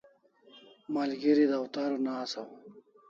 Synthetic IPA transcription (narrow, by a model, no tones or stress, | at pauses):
maːlɡiɾid̪awt̪aːɾonaːsaw